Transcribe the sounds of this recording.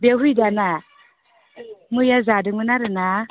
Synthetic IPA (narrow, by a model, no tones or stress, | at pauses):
bɛɦujdana | mɯjazadɯmɯnaɾɯna